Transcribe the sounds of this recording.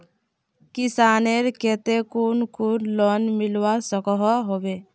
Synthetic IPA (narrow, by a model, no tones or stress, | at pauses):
kisaneɾket̪ekunkuɾlɔnmilwasɔkɔɦɔɦobe